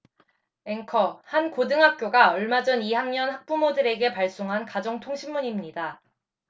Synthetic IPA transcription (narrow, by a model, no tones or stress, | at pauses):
e̞ŋkʰʌhankodɯŋɦak̚k͈joɡaʌɭmad͡ʑʌniɦaŋɲʌnɦak̚p͈umodɯɾe̞ɡe̞paɭs͈oŋɦankad͡ʑʌŋtʰoŋɕʰimːuɲimɲida